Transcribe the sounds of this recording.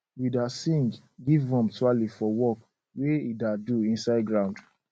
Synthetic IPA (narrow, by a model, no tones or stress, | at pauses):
widasĩŋɡ | ɡivɔ̃mtualifɔwɔk | weidaduĩnsaɪdɡɾãʊ̃nd